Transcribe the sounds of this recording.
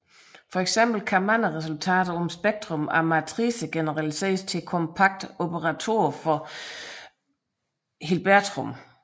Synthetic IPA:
fɒ̽eɡ̥sem̰b̥l̩kʰæmænəʁɛs̬ult͡sʰɛ̰ːd̥ɐɒ̽msb̥eɡ̥̚d̥ʁɔ̽mæɐmæt͡sʰʁisəɡ̥enəʁælise̝̰ːɐst͡sʰe̝lkʰɒ̽mpʰɑ̈ɡ̥̚d̥o̝b̥ʰəʁɑt͡sʰo̝̰ɐfɒ̽ | hilb̥æɐd̥ʰʁɔm

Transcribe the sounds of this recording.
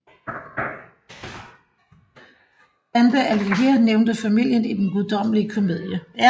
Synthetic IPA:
ænd̥əʔælɡiɦeɐneʊnd̥əfæmil̰jənid̥enɡ̥uðˠd̥ɒ̽m̰əliəkʰo̝me̝ð̰ˠjəæ

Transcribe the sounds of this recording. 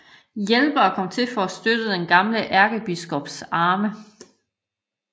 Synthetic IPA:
jelb̥əɒ̽kʰɒ̽mt͡sʰe̝fɒ̽æsd̥ød̥əd̥enɡ̥ɑ̈mləʔæɐɡ̥əb̥isɡ̥ɔb̥sɑ̈ːmə

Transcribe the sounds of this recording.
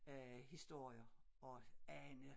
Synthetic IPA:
æhisd̥o̝ɐ̰jɐ | ɒænə

